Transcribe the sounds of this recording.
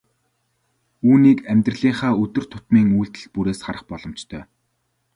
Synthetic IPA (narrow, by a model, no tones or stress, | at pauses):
uːniːkæmʲt̪rə̆ɮiːɴχaːɵt̪ɵ̆r̥t̪ʰʊ̥t̪miːŋuːɮt̪ɘ̆ɬt̪̚puɾeːsχaɾə̆χpɔɮɞ̆m̥t͡ɕt̪ʰœː